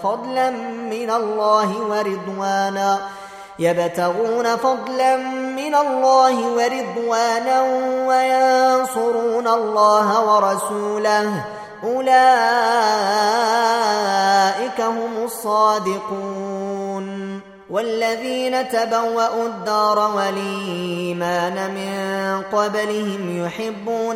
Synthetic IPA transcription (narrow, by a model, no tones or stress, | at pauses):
fɑd̪ˤlamːɪnalːaːɦɪwɑɾɪd̪ˤwaːnaː | jabt̪aɣuːnafɑd̪ˤlanmːɪnalˤːaːhɪwɑɾɪd̪ˤwaːnawajɑnsʊɾuːnalˤːɑːɦawɑɾˤɑsuːlah | ʔʊlaː | ʔɪkaɦʊmʊsˤːɑːd̪ɪquːn | walːaðiːnat̪abawːaʔud̪ːɑːɾˤɑwalimaːnamɪnqɑblɪhɪmjʊħɪbːuːn